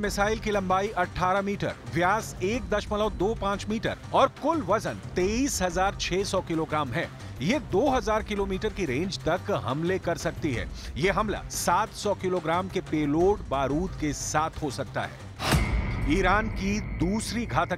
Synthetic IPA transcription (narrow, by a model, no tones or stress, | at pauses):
mɪsaːɪlkilɐ̃mbaːiʔɐʈʰːaːɾamiːʈə̰ɾʋjaːseːk̚d̪ɐʃmələːd̪oːpãːt͡ʃmiːʈə̰ɾɔːɾkʊlʋɐzənt̪eːiːsɦɐzaːɾt͡ʃʰɛːsɔkɪloːɡɾaːmɦɛ̰ː | jed̪oːɦɐzaːɾkɪloːmiːʈəɾkiɾẽːɲd͡ʒt̪ɐkɦɐ̰mlekɐɾsɐk̚t̪iɦɛ̰ːjeɦɐmla̰saːt̪sɔːkɪloːɡɾaːmkepeːloːʈbaːɾuːd̪kesaːt̪ʰɦosɐk̚t̪a̰ɦɛ̰ː | iːɾaːnkid̪uːsɾiɡʱaːt̪ə